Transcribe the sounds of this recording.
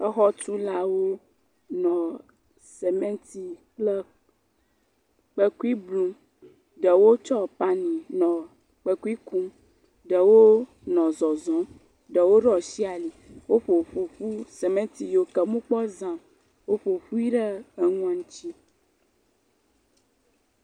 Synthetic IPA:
ə˦xɔ˦tu˦la˦wo˦ | nɔ̃˨ | se˨mɛ̃˦nt̪i˦klə˦ | k͡pə˦ku˦i˦blũ˦m | ɖə˨wo˦t͡ʃɔ˦˨pa˦nĩ˨nɔ̃˨ | k͡pə˦ku˦i˦ku˦m | ɖə˨wo˦ | nɔ̃˨zɔ˨zɔ̃˨˦ | ɖə˨wo˦ɖɔ˨si˦a˨li˨wo˦ɸo˨ɸo˨ɸu˦se˨mẽ˦nt̪i˨jo˨kə˨mũ˦k͡pɔ˦zã˨m | wo˦ɸo˨ɸu˦i˦ɖə˦ə˨ŋũ˦ã˨ŋũ˦t͡ʃi˦

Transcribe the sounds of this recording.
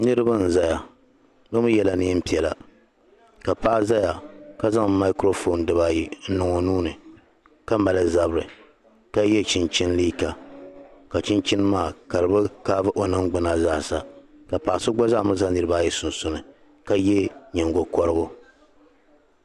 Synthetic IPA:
nɨ˦ɾɨ˦ba˦n̩˨za˦ja˨ | bɨ˦mɨ˦jɛ˦la˦nɨ˦pi˨ɛ˨la˨ | ka˨paː˦za˦ja˨ka˦za˦ŋ˨ma˦ɪ˦kɾo˦fo˨n˦dɨ˦ba˦ji˦n̩˦nʊ˨ŋɔ˨nuː˦nɨ˨ | ka˦ma˨lɨ˦za˨bɾɨ˨ | ka˦jɛ˦t͡ʃɪ˦nt͡ʃɪ˦n˦liː˦ka˨ | ka˨t͡ʃɪ˦nt͡ʃɪ˦n˦maː˦˨ka˨ɾɨ˨bɨ˦kaː˦vɨ˦ʔo˨nɨ˦ŋɡ͡bɨ˦na˨zaː˦˨sa˦ | ka˨paː˨sɨ˦ɡ͡bɔ˦za˦˨mɨ˦za˦nɨ˨ɾɨ˦ba˦˨jɛ˦sʊ˨n˨sʊ˦nɨ˨ | ka˦jɛ˦ɲɛ˨ŋɡo˨kɔ˦ɾɨ˦bʊ˦

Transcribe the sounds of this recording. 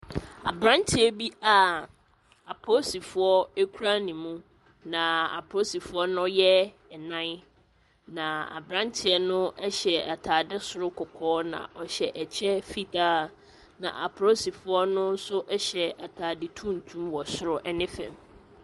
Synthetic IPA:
a̰˨bɾã˦ntʰɪ˨ɛ˦bi˦a˨ | a˨pʰo˦si˨fʊ˦ɔ˦e˦kʰu˦ɾa˦nĩ˨mũ˦ | nã˨a̰˨pʰo˦si˨fʊ˦ɔ˦nʊ̃˦jɛ˦ | ɛ˨nã˦n˦ | nã˨a̰˨bɾã˦n˦tʰɪ˨ɛ˨nʊ̃˦ɛ˦ɕɛ˨a˨tʰaː˨dɪ˦sʊ˨ɾʊ˦kʰɔ˨kʰɔː˨˦nã̰˨ʔɔ˨ɕɛ˨ʔɛ˨t͡ɕʰɛ˦fi˦tʰaː˦ | nã̰˨ʔa˨pʰɾo˦si˨fʊ˨˦ɔ˦nʊ̃˦n˦sʊ˦ʔɛ˦ɕɛ˨a˨tʰaː˨dɪ˦tʰũ˦n˨tʰũ˦mwɔ˨sʊ˦ɾʊ˨ʔɛ˦nɪ̃˦fɛ̰̃˨m

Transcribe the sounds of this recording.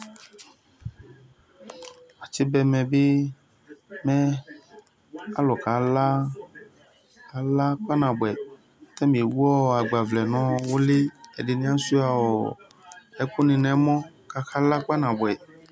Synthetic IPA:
a˨t͡ʃi˦bɛ˨mɛ̃˨be˦ | mɛ̃˦ | a̰˦lɔ˨ka˨˦la˦ | a˨la˦k͡pa˦nã˨bɛ˨˦ | t̪ã˦mĩ˨e˨wu˦ɔ˦˨a˨ɡ͡ba˨vlɛ˨nɔ̃˨˦wo˦le˦e˨ɖe˨nĩ˦ã˦su˦a˨wɔ˨ | ɛ˦ko˦nĩ˨nɛ̃˨mɔ̃˦ | ka˨xa˦la˦k͡pa˦nã˨bɛ˨

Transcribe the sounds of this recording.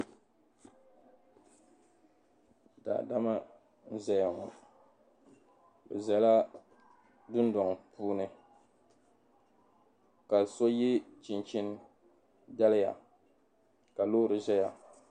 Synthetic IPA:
da̰˨da˦ma˦ | n̩˦za˦ja˨ŋɔ̰˨ | bɨ̰˨za˨la˦ | dʊ˦ndɔ˨ŋ˨puː˦nɨ˨ | ka˨so˦ji˦t͡ʃi˨nt͡ʃi˦n˦ | da˦lɪ˦ja̰˨ | ka˨loː˦ɾɨ˨ʒɛ˦ja˨

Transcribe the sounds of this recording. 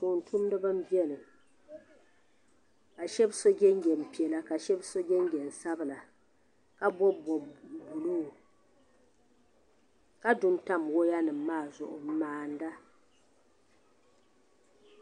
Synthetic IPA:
to˨n̩˨tʰu˦m˦dɨ˦bɨ˦m̩˦bi˦ɛ˦nɨ˨ | ka˨ʃɛ˦bso˦ɡʲɛ˦ŋ˦ɡʲɛ˨m̩˨pi˨ɛ˨la˦ka˨ʃɛ˦bso˦ɡʲɛ˦ŋ˦ɡʲɛ˨n̩˨sa˦bɨ˦la˨ | ka˦bɔ˦bbu˨lu˦˨ | ka˦dʊ˨nta˦mwo˦ja˦nɨ˨m̩ː˦aː˦˨zʊ˨ʔʊ̰˨m̩˦maː˦˨n˦da˦

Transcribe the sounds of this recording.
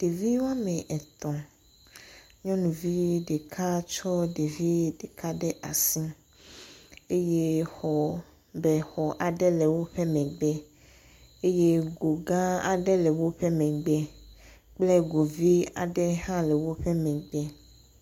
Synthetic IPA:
ɖ̥e˨vi˦wa˦mɛ̃˨ʔɛ˨t̪ɔ̃˨ | ɲɔ̃˦nũ˨vi˦ɖe˨kʰa˦t͡ʃɔ˦ɖe˨vi˦ɖe˨ka˦ɖɛ˦ʔa˨sĩ˦ | e˦je˦xɔ˨ | bɛ˨xɔ˨ʔa˨ɖɛ˦le˨wo˦ɸɛ˦mɛ̃˨ɡ͡bɛ˦ | e˦je˦ɡo˨ɡã˦a̰˨ɖɛ˦lɛ˨wo˦ɸɛ˦mɛ̃˨ɡ͡bɛ˦ | k͡ple˦ɡo˨vi˦a̰˨ɖɛ˦hã˦le˨wo˦ɸɛ˦mɛ̃˨ɡ͡bɛ˦

